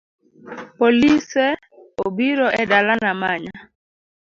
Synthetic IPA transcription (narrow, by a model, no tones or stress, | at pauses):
polisɛ | obiɾɔʔɛdalanamaɲa